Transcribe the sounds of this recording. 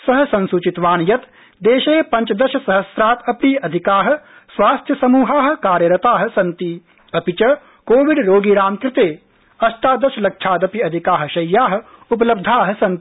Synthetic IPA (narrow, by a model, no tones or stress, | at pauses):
sɐɦɐ̆sɐ̃nsut͡ʃit̪ʋaːnjɐt̪ | d̪eːʃeːpɐ̃ɲt͡ʃɐd̪ɐʃɐsɐɦɐsɾaːt̪ɐpniːɐd̪ʱikaːɦɐ̆ | sʋaːst̪ʰjɐsɐmuːɦaːɦɐ̆kaːɾjɐɾɐt̪aːɦɐ̆sɐnt̪i | ɐpit͡ʃɐ | koːʋiɖɾoːɡiɾaːmkɾɪt̪eː | ɐsʈ̪aːd̪ɐʃɐlɐkʃʰaːt̪ɐpiɐd̪ʱikaːɦɐ̆ʃɐjːaːɦɐ̆ | upɐlɐb̚d̪ʱaːɦɐ̆sɐ̃nt̪i